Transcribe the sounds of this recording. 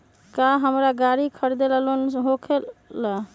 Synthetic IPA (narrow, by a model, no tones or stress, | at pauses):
kaɦəmɾaɡaɾikʰəɾd̪eləlonɦokʰelːə